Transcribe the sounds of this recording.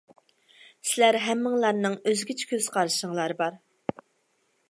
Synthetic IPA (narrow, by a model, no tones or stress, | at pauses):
sɪlæɾɦɛmːɪŋlˠɑɾnɨŋøzɡʲit͡ʃʰɛ̥kʲʰøzqʰɑɾɨʃəŋlˠɑɾɨbɑɾ